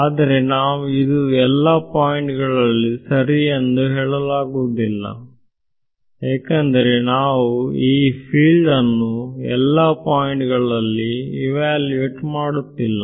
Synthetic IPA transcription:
aːd̪ɐɾe̞naːʋuid̪uɛlːaːpaːjiɳʈɡɐɭɐlːisɐɾiend̪uɦeːɭɐlaːɡuːd̪ilːɐ̰ | eːkɐnd̪ɐɾe̞naːʋuiːpʰiːɭɖɐnːuɛ̰lːaːpaːjiɳʈɡɐɭɐlːiiʋaːlʋeʈmaːɽut̪ːilːɐ

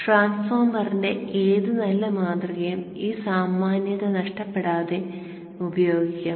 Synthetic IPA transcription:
ʈraːnsfoːrmːɐrinde̞ʔeːðɨnɐlːɐmaːd̪rɐɣɐjumiːsaːmːaːnjɐðɐnɐʂʈɐpːe̞ɽaːðe̞ | ubɐjo̞ːɡikʲːaː

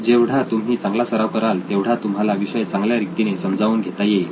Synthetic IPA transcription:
d͡ʑeʋɽ̤at̪umɦiːt͡sãŋɡlasəɾaʋkəɾalt̪eʋɽ̤at̪um̤ɦalaʋiɕəjt͡sãŋɡljaɾit̪inesəmd͡zaʋuːnɡʱet̪aje

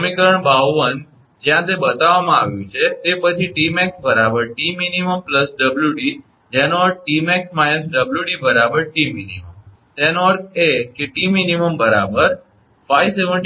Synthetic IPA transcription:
mikəɾəɳbaʋːən | d͡ʒjãt̪ebət̪aʋamãaʋjũt͡ʃʰet̪epət͡ʃʰiʈimɛksbəɾabəɾʈiminiməmpləsɖəbljuɖi | d͡ʒɛnoəɾt̪̚ʈimɛksmajnəsɖəbljuɖibəɾabəɾʈiminḭmə̰m | t̪enoəɾt̪ʰekeʈiminiməmbəɾa̰bəɾ | fajʋseʋəɳʈ

